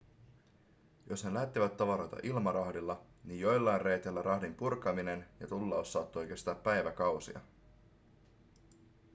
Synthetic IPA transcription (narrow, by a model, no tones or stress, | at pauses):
jo̞snelæht̪ːiʋæt̪ːɑʋɑɾo̞jt̪ɑ̰ʔilmɑɾɑhdilːɑ | nijjo̞jlːɑjnre̞jt̪elːæɾʔɑhdimpurkɑmine̞njɑt̪ulːɑosːɑːt̪ːojk̟est̪ɑːpːæjʋækɑwsḭɑ̰